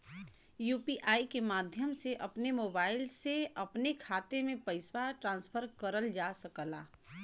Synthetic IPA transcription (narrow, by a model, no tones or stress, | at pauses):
juːpiʔaːikemaːd̪ʱjəmseʔəpnemoːbaːɪlseəpnekʰaːt̪emẽpəɪswaʈɾãːnspʰəɾkəɾəld͡ʒasəkəla̰ː